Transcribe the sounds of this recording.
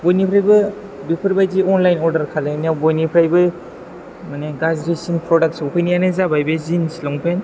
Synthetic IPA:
bojnipʰɾajbɯ | bipʰɯɾbajziɔnlajnɔɾdɐɾkʰalaniawbɔjnipʰɾajbɯ | maneɡazɾesinpɾɔdak̚tsowpʰɯjnijanɯzabajbezinsilɔŋpʰen

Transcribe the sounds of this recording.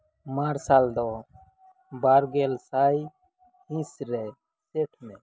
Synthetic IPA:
maːɾsaːld̪ɔ | baːɾɡeːlsaːj | hĩsɾɛ | seːʈʰmɛ̃

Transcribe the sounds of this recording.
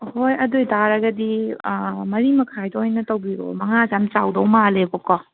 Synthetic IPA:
hojɐdojdaɾɐɡɐdi | mɐɾimɐkʰajdɔojnɐtɐwbiɾo̰mɐŋazamt͡ʃawdɔwmalebɔkɔ

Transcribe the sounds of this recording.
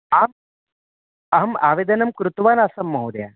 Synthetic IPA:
aːm | ɐɦɐma̰ːʋed̪ɐnɐmkɾut̪ʋaːnaːsɐmːɐɦud̪ja̰ː

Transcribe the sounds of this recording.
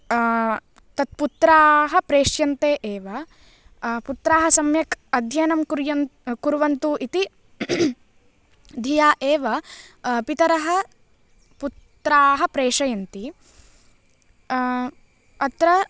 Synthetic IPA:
t̪ɐt̪̚put̪ɾaːɦɐ̆pɾeːʂjɐnt̪eːʔeːʋɐ | put̪ɾaːɦɐ̆sɐmjɐkɐd̪ʱjɐjnɐmkuɾjɐkuɾʋɐnt̪uːʔit̪i | d̪ʱijaːʔeːʋɐpit̪ɐɾɐɦɐ | put̪ɾaːɦɐ̆pɾeːʂɐjɐnt̪i | ɐt̪ɾɐ

